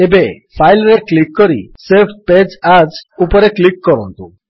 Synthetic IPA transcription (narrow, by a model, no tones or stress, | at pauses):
ebe | pʰajlɾeklikːɔɾḭsepʰped͡ʒad͡ʒupɔɾeklikːɔɾɔnt̪u